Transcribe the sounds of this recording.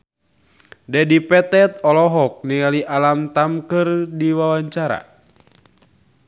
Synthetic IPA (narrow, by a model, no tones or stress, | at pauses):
dɛdipɛt̪ɛt̪̚ɔlɔɦɔk̚niŋaliʔalamt̪amkɨrdiwawaɲt͡ʃaɾa̰